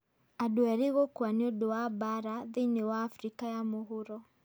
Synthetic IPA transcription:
adoɛɾeɣokwaneodowabaɾaðeinewaːfɾikajamoɦoɾɔ

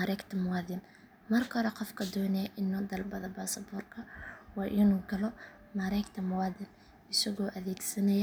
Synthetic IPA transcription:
aɾɛjkt̪ʰɐmʊwaːðɪn | mɐrkʰɔɾɛqɔfkʰɐd̪ɔːnɛjʔɪnːɔd̪ɐlbɐðɐbaːsɐbɔːrkʰɐwɑːʔɪnuːɡɐlɔ | mɐɾɐjkt̪ʰɐmʊwɑːðɪn | ɪsɐɣɔːʔɐðɛːɡsɐnɐjɐ

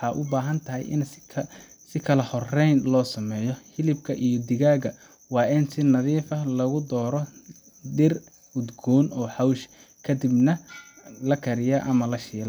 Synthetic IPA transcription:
ħɑːʔʊ̰baːɦɐnt̪ʰɐɦɛ̰jɪ̰nʰ | sɪkʰɐlɐhɔrɛjnlɔːsɐmɛːjɔhɪlɪb̚kʰɐʔijɔd̪ɪɣaːɣɐ | wɑːɪnsɪnɐðiːfɐlɐɣʊd̪ɔːɾɔ | d̪ɪr | ʊd̪ɡɔːnɔːħɑwʃ | kʰɐd̪ɪbnɐlɐkʰɐɾɪjɐʔɐmɐlɐʃiːlɐ

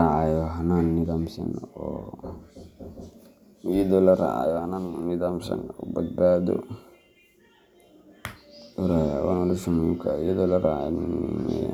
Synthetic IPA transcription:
aʕɑjɔɦɐnaːnːɪðaːmsɐ̰nɔː | jɐðɔlɐɾɑ̰ʕɑ̰jɔhɐnaːnnɪðaːmsɐ̰nɔːbɐd̪̚baːðɔ̰ | ʊɾaja̰wanɔlɔʃʊmʊjʊkʰaʊjɐðɔlɐɾa̰ʕa̰

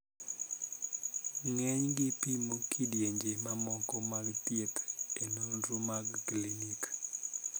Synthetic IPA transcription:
ŋɛɲɡɪpimokʰidjeɲd͡ʒemamɔkɔmaɡtjet̪enonɾomaɡklinik

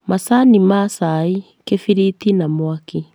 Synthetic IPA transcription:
masanimaːsai | kefiɾit̪inamoaki

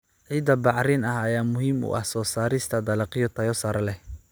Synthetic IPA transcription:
ʕiːd̪ɐbɑʕɾɪnɐɦɐjaːmʊhiːmʊ̰ʔɐ̰hsɔːsaːɾɪst̪ʰɐd̪ɐlɑqɪjɔt̪ʰɐjɔsaɾɐlɛh

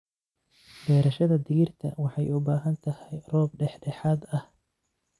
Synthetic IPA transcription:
bɛːɾɐʃɐðɐd̪ɪɣɪrt̪ʰɐ̰wɑħɑjʊbaːɦɐnt̪ʰɐhɛjrɔːb̚ɖɛħɖɛħaːd̪ɐh

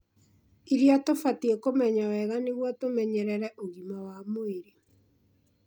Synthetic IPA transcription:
iɾiatofatiɛkomɛɲawɛɣaneɣwɔtomɛɲɛɾɛɾɛʔoɣimawamoeɾe

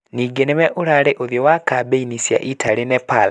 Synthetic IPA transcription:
niːɡenewɛʔoɾaɾeʔoðjɔwakabeinisja̰ʔitʰaɾenɛpal

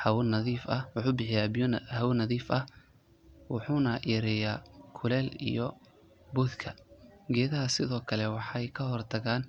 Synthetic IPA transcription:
hɐwʊnɐðiːfɐwʊħuːbɪħɪjaːbhɐwnɐðiːfɐh | wɑħuːnɐʔiːɾɪjaːkʰʊlɛːlḭjɔ | bʊːd̪kʰɐɡɛːðɐɦɐsɪðɔːkʰɐlɛwɑħɑjkʰɐhɔrt̪ʰɐɣaːn

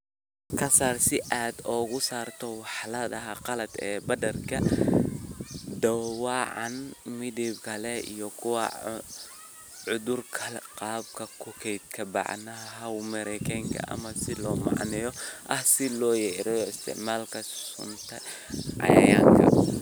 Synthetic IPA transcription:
kʰɐsaːrsɪʔaːd̪ɔːɣʊsaːrt̪ʰɔwɑħlɐðɐɦɐqɑlɐd̪ɛ̰ːbɐdɐrkʰɐ | d̪ɐwwɑːʕɑ̰nmɪdibkʰɐlɛḭjɔkʰʊwɐ̰ | ʕʊðʊrkʰɐlqɑːb̚kʰɐkʰʊkʰɛjd̪kʰɐbɑ̰ʕnɐɦɐɦɐwmɐɾɛkʰɛŋkʰɐ̰ʔɐ̰mɐsɪlɔːmɑ̰ʕnɛjɔʔɐhsɪlɔːjɛːɾɛjɔɪst̪ʰɪ̰ʕmaːlkʰɐssʊnt̪ʰɐ | ʕɑ̰jjaːŋkʰɐ̰

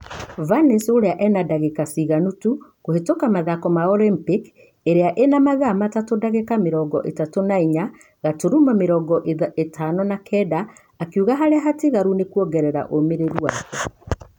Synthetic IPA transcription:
vanesoɾeaʔɛnadaɣekasiɣanutukohetokamaðakɔmaɔɾempik | eɾeaʔenamaɣamatatodaɣekameɾɔɡɔ̰ʔetatonaiɲa | ɣatoɾumameɾɔɡɔʔeetʰanɔnakʰɛdaː | kjuɣaɦaɾeaɦatiɣaɾunekuɔɡɛɾɛɾa̰ʔomeɾeɾuakɛ

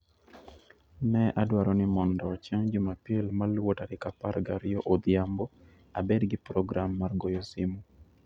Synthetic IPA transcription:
nɛʔadwaɾɔnɪmɔndɔt͡ʃaŋd͡ʒʊmapjelmalwotaɾɪkapaɾɡaɾɪjoʔod̪jambɔ | a̰bedɡɪpɾɔɡɾamːarɡojosɪmu

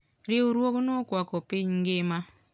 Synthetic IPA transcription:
ɾeuɾwoɣunokwakopeɲŋɡema

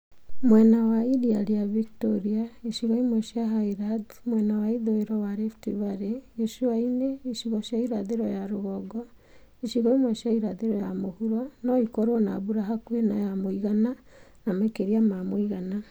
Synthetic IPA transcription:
mwɛnawaidialiaviktɔɾiaiʃiɣɔimwɛʃiaɦaiɾadmwɛnawaiðoeɾɔwaɾeftiβaɾejɛʃuwaineiʃiɣɔʃjaiɾaðeɾɔjaɾoɣɔɡɔ | iʃiɣɔimwɛʃiaiɾaðeɾɔjamohuɾwanɔikɔɾwɔna̰βuɾaɦakwena̰jamoiɣana | namakeɾiamamoiɣana

